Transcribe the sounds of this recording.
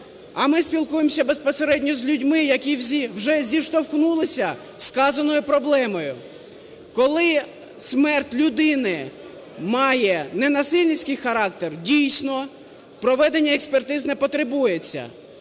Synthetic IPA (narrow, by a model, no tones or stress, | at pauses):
ɐmɪspʲilˠkujemsʲɐbe̞spɔseɾɛdʲnʲɔzʲlʲʊdʲmɪjɐkʲiwzʲiwʒɛzʲiʃt̪ɔwxnulˠɪsʲɐ | skɑzɐnɔjʊpɾɔblˠɛmɔjʊ | kɔlˠɪ | smɛrtʲlʲʊd̪ɪnɪ | mɑjɛnenɐsɪlʲnʲisʲkɪjxɐɾɑk̚t̪erdʲijsʲnɔ | pɾɔʋɛd̪enʲːɐekspert̪ɪznɛpɔt̪ɾebujet͡sʲːɐ̰